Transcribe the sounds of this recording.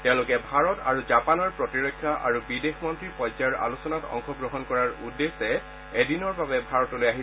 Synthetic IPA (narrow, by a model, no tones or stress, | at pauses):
tɛʊ̃lʊkɛbʱaɹɔta̰ɹuzapanɔɹpɹɔtiɹɔkʰːjaʔa̰ɹubidexmɔntɹipɔjzajɔɹʔa̰lusɔnatɔ̰ŋxɔɡɹɔɦɔnkɔɹaɹudːesɛ | edinɔɹbabɛbʱaɹɔtolojaɦi